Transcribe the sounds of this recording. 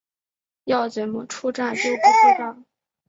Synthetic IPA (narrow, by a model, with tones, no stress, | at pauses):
jɑ˥˩ʊt͡swe˧˥ɪmu˨˩ʈ͡ʂʰu˥ʈ͡ʂa˥˧nʈ͡ʂo˥˩pu˧˥ʈ͡ʂʰu˥ʈ͡ʂa˥˩